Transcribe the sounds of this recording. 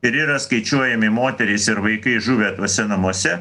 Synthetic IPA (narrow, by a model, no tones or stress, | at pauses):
ɪɾiːɾɐskɐɪt͡ʃʲuɔjɛmʲɪmoːt̪ʲɛɾʲɛɪsɪɾʋɐɪkɐɪʒuːʋʲeːt̪uɔsʲɛnɐmuɔsʲɛ